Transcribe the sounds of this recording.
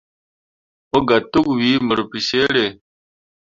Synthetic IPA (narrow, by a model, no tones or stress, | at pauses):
oɡɐt̪uɡwiːmɐɾupiseːɽeː